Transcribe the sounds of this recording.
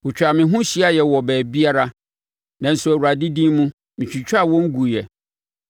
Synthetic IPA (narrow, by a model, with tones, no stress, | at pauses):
wʊ˨t͡ɕᶣa˨mɪ̃˨ɦʊ̃˦ɕi˦a˦jɛ˨wɔ˨bɛː˨bi˦a˦ɾa˦ | nã˨n̩˨sʊ˨æ˨wu˨ɾa˨dɪ˦dĩ˦mũ˦ | mɪ̃˨t͡ɕᶣi˨t͡ɕʰᶣa˦˨wɔ̃˦ŋ̩˦ɡu˨jɛ˨